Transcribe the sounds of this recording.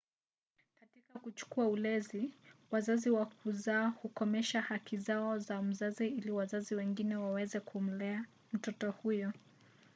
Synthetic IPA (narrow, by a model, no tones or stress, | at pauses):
katikakut͡ʃu̥kuaulɛziwazaziwakuzaːhukɔmɛʃahakizaɔzam̩zaziiliwazaziwɛŋɡinɛwawɛzɛkʰum̩lɛa | m̩tɔtɔhujɔ